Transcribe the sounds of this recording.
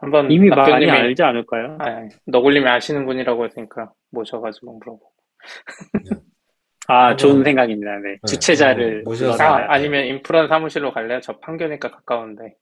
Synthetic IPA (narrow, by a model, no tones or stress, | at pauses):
hambʌnimiamaoaɲid͡ʑianɯɭk͈ajoaːʌɡɯʎːimjiaɕʰinɯnbuɲiɾaɡohes͈ɯɲik͈a | moɕʰʌɡad͡ʑimonbuɾʌbo | at͡ɕonsʰe̞ŋɡaɡimɲidane̞t͡ɕut͡ɕʰe̞d͡ʑaɾɯɭuaaaɲimjʌnimpʰɯɾʌnsʰamuɕʰiɾokaɭːejot͡ɕʌpʰaŋɡjʌɲek͈akḁk͈aunnde̞